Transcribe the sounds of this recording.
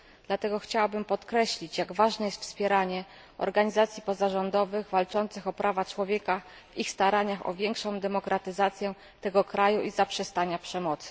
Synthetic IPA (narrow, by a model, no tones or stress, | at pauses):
d̪̥lat̪ɛɡɔxt͡ɕawabɘmpɔt̪kɾɛɕlʲit͡ɕjaɡvaʐnɛjɛst̪fspʲjɛɾaɲɛ | ɔ̰ɾɡaɲizat̪sʲjipɔzaʐɔnd̪ɔvɘɣvalt͡ʂɔnt̪sɘxɔpɾavat͡ʂwɔvʲjɛka | vixst̪aɾaɲaxɔ̰vʲjɛŋkʂɔ̃w̃d̪ɛmɔkɾat̪ɘzat̪sʲjɛ | t̪ɛɡɔkɾajuʔizapʂɛst̪aɲapʂɛmɔt̪sɘ̥